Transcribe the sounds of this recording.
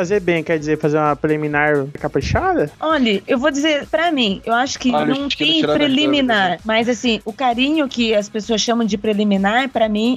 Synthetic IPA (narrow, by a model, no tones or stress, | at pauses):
fazeɾbẽj̃kɛɾd͡ʒɪzeɾfazeɾũmɐpɾeliminaɾkapɾɨʃad̪ɐɔʎɐewvod͡ʒɪzeɾpɾɐmĩewaʃʊ̥kɪnɐ̃w̃t̪ẽj̃ɾpɾelimĩnaɾmɐzasĩʊkaɾĩɲʊkɪɐspesoɐsʃɐ̃mɐ̃w̃d͡ʒɪpɾeliminaɾɛpɾɐmĩ